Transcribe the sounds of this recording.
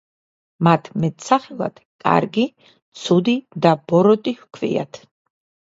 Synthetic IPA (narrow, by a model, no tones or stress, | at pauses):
mat̪ʰmɛt̪ʰʼsaχɛlˠa̰d̪̥kʼa̰ɾɡi | t̪sʰud̪id̪ab̥ɔɾɔt̪ʼihkʰvḭa̰t̪ʰ